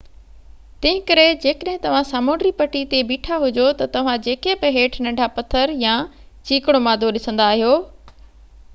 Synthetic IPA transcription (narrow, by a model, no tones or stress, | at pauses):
t̪ɐ̃ɦɪ̃kɐɾed͡ʑeːkəɗɦɪ̃t̪ɐʋ̤ãsaːmoːɳɖɾipɐʈit̪ebiːʈʰaɦʊd͡ʑot̪ɐt̪ɐʋ̤ãd͡ʑeːkebɪɦeːʈʰnɐ̃ɖʱapɐt̪ʰəɾjãː | t͡ɕiːkɽ̃omaːd̪ʱoɗɪsə̃n̆d̪aːɦijoː